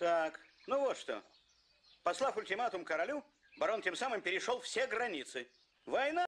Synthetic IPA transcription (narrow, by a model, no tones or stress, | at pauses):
t̪ak | nuvot̪ʂt̪o̰ | pɐslˠafʊlʲtʲɪmat̪ʊmkəɾɐlʲu | bɐɾo̞ntʲe̞msamɨmpʲɪɾʲɪʂo̞lˠfsʲeɡɾɐnʲit̪sɨ | vɐjna